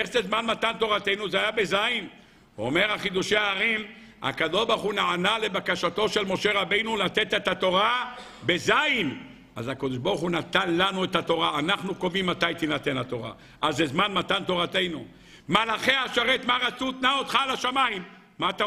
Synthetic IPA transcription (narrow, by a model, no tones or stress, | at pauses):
eχzezmanmat̪ant̪o̞ʁat̪e̞jnuzeajabe̞zain | uome̞ʁhaχid̪uʃe̞aːʁim | a̰kad̪o̞ʃbaʁχunaanale̞bakaʃat̪o̞ʃe̞lmo̞ʃe̞ʁabe̞jnulat̪e̞t̪e̞t̪hat̪o̞ʁa | be̞zaim | a̰zakod̪eʃboʁχunat̪anlanuet̪hat̪o̞ʁaːnaχnuko̞vimːat̪ajt̪inat̪e̞nat̪o̞ʁa̰ | ʔazezmanmat̪ant̪o̞ʁat̪e̞jnu | malaχeaʃaʁet̪maʁat͡sut̪naot̪χalaʃamaimː | at̪a